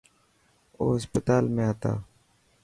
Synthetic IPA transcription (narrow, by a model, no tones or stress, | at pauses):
oːɦəspət̪aːlmẽːɦət̪a̰ː